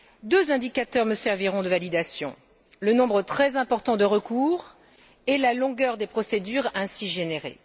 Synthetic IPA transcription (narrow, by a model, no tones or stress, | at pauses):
d̪øzɛ̃d̪ikat̪œʁməsɛʁviʁɔ̃d̪əvalid̪asjɔ̰̃ | lənɔ̃bʁət̪χɛzɛ̃pɔʁt̪ɑ̃d̪əʁəkuːʁ | elalɔ̃ɡœʁd̪epχɔsed̪yʁɛ̃siʒeneʁḛ